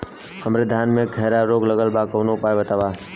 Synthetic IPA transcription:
həmɾed̪ʱaːnmẽɡʱəɦɾaɾoːɡləɡəlbakəːnoʊpaːebət̪aːʋa

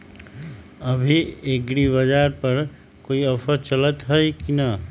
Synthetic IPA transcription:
ɐbʱieɡɾibəd͡ʒaːɾpɐɾ | koːiɔfəɾt͡ʃələt̪ɦəjkina

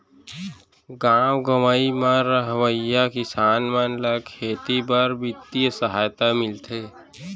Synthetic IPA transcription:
ɡaːwɡəmaimãɾəɦʋəjakɪsaːnmənlakʰeːt̪ibəɾbɪt̪ːijsəɦaːjt̪amɪlt̪ʰeː

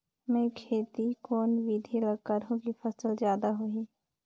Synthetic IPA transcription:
mɛ̃kʰeːt̪ikoːnʋid̪ʱiləɡkəɾɦõkipʰəsəlzjaːd̪aɦʊiː

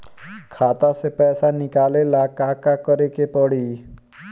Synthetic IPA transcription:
kʰat̪asepɛːsanɪkalelakakakɔɾekepɔɽi

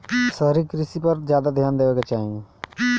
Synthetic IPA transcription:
səɦɾikɾɪsipɐɾzjaːd̪ad̪ʱjaːnd̪eːʋeːket͡ʃaːɦie

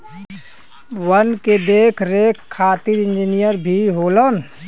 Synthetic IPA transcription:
wənked̪eːkʰɾeːkʰːaːt̪iɾɪ̃nd͡ʒinijəɾbʱiɦoːlən

